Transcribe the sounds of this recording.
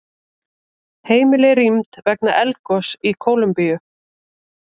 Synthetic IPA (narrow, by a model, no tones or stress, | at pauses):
heːjmɪlɛɾimt̪vɛknaʔɛlkɔsikʰoːwlʏmpijʏ